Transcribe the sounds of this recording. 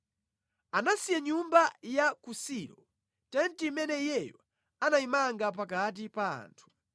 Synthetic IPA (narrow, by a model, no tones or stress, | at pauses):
anasijaɲumbajakusiɾɔ | tɛntimɛnɛjɛjɔ | anaimaŋɡap̬akat̬ipaa̰ːntʰu̥